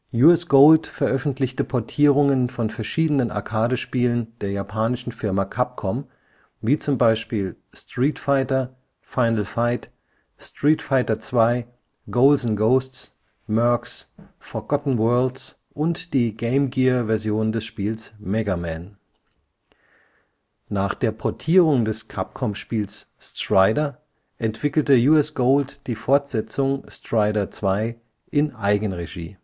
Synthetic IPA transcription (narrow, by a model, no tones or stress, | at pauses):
juɛsɡ̥oʊltfɛɐʔœfn̩tʰlɪçtəpʰɔɐtʰiːʁ̞ʊŋənfɔnfɛɐʃiːdənənʔa̰ɐkʰaːɾəʃpiːlənd̥eːɐjapʰaːnɪʃn̩fɪɐmakʰap̚kʰɔm | viːt͡sʊmbaɪʃpiːl | stʁ̥iːtfaɪtɐ | faɪnəlfaɪt | stʁ̥iːtfaɪtɐt͡sv̥aɪ | ɡoʊlzn̩ɡoʊstt͡s | mœɐksfɔɐɡɔtn̩wɜɐlts | ʔʊntd̥iːɡeɪmɡiːɐvɛɐzjoːndɛsʃpiːlsmɛɡamɛn | naːχd̥eːɐpʰɔɐtʰiːʁʊŋdɛskʰap̚kʰɔmʃpiːlsstʁ̥aɪdɐ | ʔɛntv̥ɪkl̩təjuɛsɡ̥oʊltd̥iːfɔɐtz̥ɛt͡sʊŋstʁ̥aɪdɐt͡sv̥aɪ | ʔɪnʔaɪɡən̩ʁeʒḭː